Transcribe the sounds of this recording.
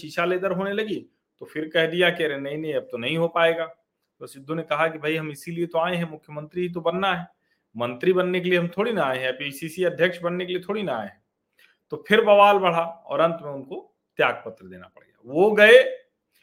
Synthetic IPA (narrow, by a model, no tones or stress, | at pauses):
ʃiːʃaleːd̪əɾɦoːnelɐɡi | t̪ofʰɪɾkɛɦd̪ijakɛɾenɐɦĩnɐɦĩɐb̚t̪onɐɦĩɦopaːeːɡaː | t̪osɪd̪ʱːunekɐɦakibʱɐiɦɐmɪsiliet̪oaːẽɦɛ̃mʊkʰjəmə̃nt̪ɾiɦit̪̬obɐnːaɦɛː | mɐ̃nt̪ɾibɐnːek̬elieɦɐmt̪ʰoːɽinɐaːeɦɛ̃pisisiɐd̪ʱjəkʃbɐnːekeliet̪ʰoːɽinɐa̰ːẽɦɛ̃ | t̪opʰɪɾbɐʋaːlbɐɽ̤aɔ̰ːɾɐ̃nt̪mẽʊnko | t̪jaːɡ̚pɐt̪ɾəd̪ḛːna̰pɐ̰ɽ̤ɡɐja̰ːʋoɡɐe